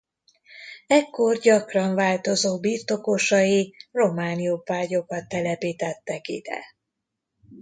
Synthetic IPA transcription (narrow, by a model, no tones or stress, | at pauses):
ɛkːo̞rɟɒkrɒɱvaːlt̪o̞zoːbirt̪o̞ko̞ʃɒjiro̞maːnijopaːɟo̞kɒt̪ːɛlɛpiːt̪ɛt̪ːɛkḭd̪̥ɛ̰